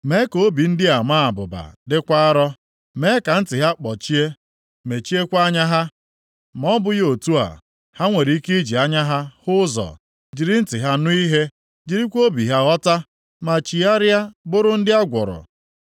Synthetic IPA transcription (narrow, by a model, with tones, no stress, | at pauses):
me˦ko˨˦bi˨n̩˦dɪ˦a˨ma˦a˨bʊ̰˨ba̰˨dɪ˦kʷa˦a˦ɾɔ˦ | me˦ka˨n̩˦tɪ˨ɦa˦k͡pɔ˨t͡ʃi˦e˦ | me˨t͡ʃi˦e˦kʷa˦ɲa˦ɦa˦ | ma˨ɔ˦bʊ˦jo˨tu˦a̰˨ | ha˦ŋʷe˨ɾi˨˦i˦ki˦d͡ʒi˨a˦ɲa˦ɦa˦hʊ˦zɔ̰˨ | d͡ʒi˨ɾi˦n̩˦tɪ˨ɦa˦nʊ˦i˦ɦe˦ | d͡ʒi˨ɾi˦kʷo˦bi˨ɦa˦ɔ˦ta˦ | ma˨t͡ʃi˨a˦ɾja˦bʊ˦ɾʊ˦n̩˦dɪ˦a˦ɡʷɔ̰˨ɾɔ̰˨